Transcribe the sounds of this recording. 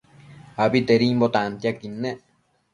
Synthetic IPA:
aβit̪eɾimbot̪ant̪jakinːeʔ

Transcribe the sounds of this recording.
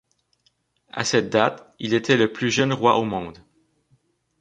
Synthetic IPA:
a̰sɛt̪̚d̪at̪ilet̪ʰɛləplyʒœnʁwaʔomɑ̃ːd̪

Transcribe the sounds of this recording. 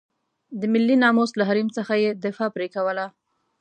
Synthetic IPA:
d̪əmɪlːinɑmoslaɦaɾimt͡səxajed̪ɪfɑpɾekawəla

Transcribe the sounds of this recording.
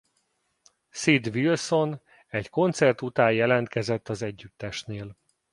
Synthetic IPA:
sid̪ʋilso̞n | ɛcko̞nt̪sɛrt̪ut̪aːjjɛlɛnt̪kɛzɛt̪ːɒzɛɟːyt̪ːɛʃneːl

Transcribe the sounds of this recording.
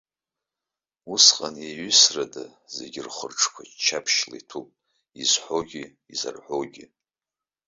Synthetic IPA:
usqʼaneɥʏsradazeɡʲɪrχərʈ͡ʂʰʼkʷʰat͡ʃʰapʰʃlḭtʰupʼ | izħʷoɡʲi | iza̰rħʷoɡʲi

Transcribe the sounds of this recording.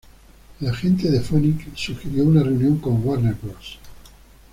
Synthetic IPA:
laxent̪̬eðefoniksuxeɾjounareunjõŋkõŋwaɾneɾkɾos

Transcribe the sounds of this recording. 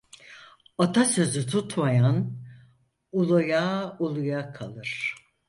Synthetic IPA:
at̪ʰasø̞zyt̪ʰut̪majan | ulˠujaulˠujakʰalˠɯɾ̥

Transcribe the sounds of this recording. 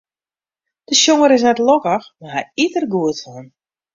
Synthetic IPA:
d̥əʃjoŋəɾɪs̬nɛtlɔkəxmaɦɛjitərɡuətɔn

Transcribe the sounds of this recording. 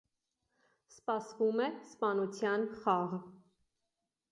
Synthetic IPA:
spɑsvumɛspɑnut͡sʰjɑnχɑʁ

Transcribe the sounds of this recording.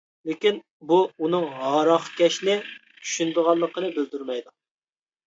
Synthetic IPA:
lɪkʲin | buunɨŋɦɑːɾɑχkʲɛʃnɪ | t͡ʃʰy̥ʃynd̪ɨʁɑlˠːəqənɨbɪld̪yɾmɛjd̪u

